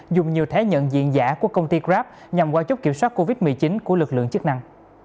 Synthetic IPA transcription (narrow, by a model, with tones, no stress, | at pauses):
zʊ˨˩ŋ͡mɲi˨˩əwt̪ʰe˨˦ɲə̰˧˨nzḭ˧˨ənzaː˧˩ku˧˩əkə˧wŋ͡mt̪i˧kzaː˦˥p̚ | ɲa˨˩mwaː˧wt͡ɕk͡p̚ki˧˩əmswaː˦˥t̚ko˧vi˦˥t̚mɨ˨˩ət͡ɕi˨˦nku˧˩əlɨ˨˩k̚lɨ̰˧˨əŋt͡ɕɨ˦˥k̚na˧ŋ